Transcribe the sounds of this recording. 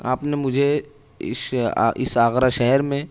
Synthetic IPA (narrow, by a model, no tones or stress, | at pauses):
aːpnemʊd͡ʒʱe | ɪ̰sɪ̰saːxɾaʃɛɦɛɾmẽ